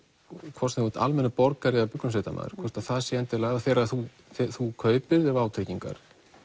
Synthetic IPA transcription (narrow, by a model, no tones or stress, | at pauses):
kʰvɔrsɛvut̪a̰lmɛnapɔɾkaɾɪapʏknʏnset̪ama̰ːðɪɾ̥kʰvɔɾ̥t̪aθaðsjɛɛnt̪ɪɾlaɣðaθɛːɾaðθu | θɛθukʰœːɥpɪðɛvaːwt̪ʰeciŋka̰ɾ̥